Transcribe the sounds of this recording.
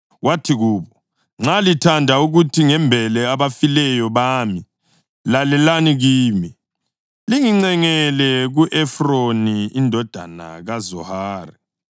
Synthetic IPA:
watʰiɣuːβɔ | ŋ͡ǁalitʰandʱauɣutʰiŋɛmbʱɛlɛaβafilɛjɔβaːmi | lalɛlaniɣiːmi | liŋiŋ͡ǀɛŋɛlɛɣuʔɛfroniindʱɔd̥ʱa̰na̰ɣazɔ̰haːrɛ

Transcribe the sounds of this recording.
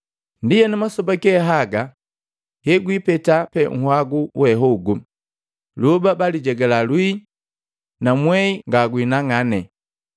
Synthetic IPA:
ndijɛnamasɔbakɛɦaɡa | hɛɡwipɛtapɛŋ̩hwaɡuwɛɦɔɡu | lubabaliɟɛɡɛlalwi | namwɛiŋɡaɡwinaŋanɛ

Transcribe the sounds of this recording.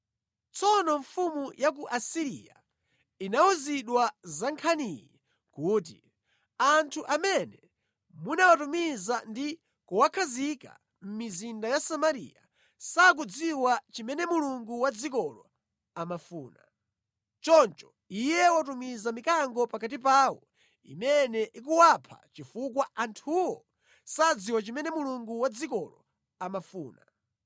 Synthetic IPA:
t͡sɔnɔɱfumujʔak̬uʔasiɾḭja̰ | inawɔziɗwazaŋkʰanijɛ | kuːt̬ḭ | antʰuʔamɛnɛ | munawatumizandi | kuwakʰazika̰ | m̩mizindajasamaɾḭja̰ | sak̬ud͡ziwat͡ʃimɛnɛmuluŋɡuwad͡zik̬ɔlɔ | amafuːna̰ | t͡ʃɔnt͡ʃɔ̥ | ijɛwat̬umizamikaŋɡɔpakat̬ipaːwɔ | ḭmɛnɛʔik̬uwapʰa̰t͡ʃifuk̬waʔantʰuwɔ | sad͡ziwat͡ʃimɛnɛmuluŋɡuwad͡zikɔlɔ̰ | amafuːna̰

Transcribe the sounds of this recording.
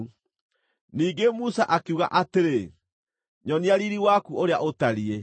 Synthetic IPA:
niːɡemusaʔakeuɣa̰ʔateɾe | ɲɔniaɾiɾiwakuoɾeaʔotaɾie

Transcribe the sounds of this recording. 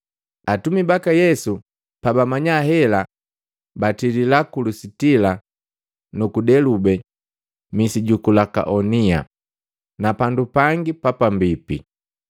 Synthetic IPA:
atumibakajɛsu | pabamaɲaɦɛla | batililakulusitila | nukudɛlubɛ | misiɟukulaka̰ʔɔnia̰ | napandupaŋɡipapambipḭ

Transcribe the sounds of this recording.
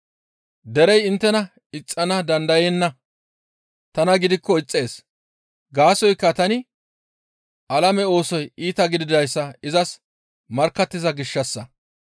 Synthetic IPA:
d̪ɛɾɛjɪnt̪ːɛnɐ | ɪt͡sʼːɐnɐd̪ɐnd̪ɐjenːɐ | t̪ɐnɐɡɪd̪ɪkːɔɪt͡sʼːe̞ːs | ɡaːsɔjkːɐt̪ɐnɪ | ʔɐlɐmɛo̞ːsɔjiːt̪ɐɡɪd̪ɪd̪ɐjsːɐɪzɐs | mɐɾkːɐt̪ːɪzɐɡɪʃːɐsːɐ

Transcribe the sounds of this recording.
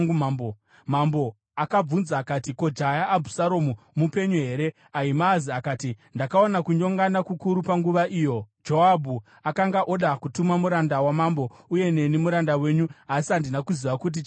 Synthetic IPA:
bo | mambo̞ | akab͡vunzaːkatiko̞d͡ʒajaːbʱusaɾo̞mumupe̞ɲoɦe̞ːɾe | aimaːziakaːtindakao̞nakuɲo̞ŋɡanakukuɾupaŋɡuʋaʔiːjo̞d͡ʒo̞abʱu | akaŋɡaʔo̞ɗakutumamuɾandawamambo̞uje̞ne̞nemuɾandawe̞ːɲuasiandinakuziʋakut̬i

